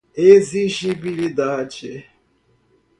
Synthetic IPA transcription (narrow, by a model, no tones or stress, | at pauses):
eziʃibiɾid̪aːt͡ʃe